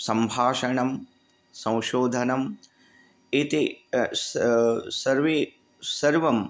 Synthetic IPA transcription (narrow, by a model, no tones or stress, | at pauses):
sɐmbʱaːʃɐɳɐm | sɐ̃w̃ʃoːd̪ʱɐnɐm | it̪issɐɾʋeː | sɐɾʋɐm